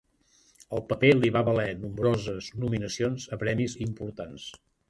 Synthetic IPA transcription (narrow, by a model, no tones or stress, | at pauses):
əlˠpəpeliβaβəlɛnumbɾozəznuminəsionzəpɾɛmizimpuɾt̪ans